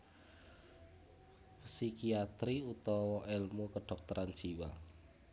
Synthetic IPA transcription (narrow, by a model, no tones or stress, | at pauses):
psikiat̪ɾiut̪ɔwɔʔelmukəɖ̥ɔk̚t̪ɔɾʔan̥d͡ʒ̥iwa̰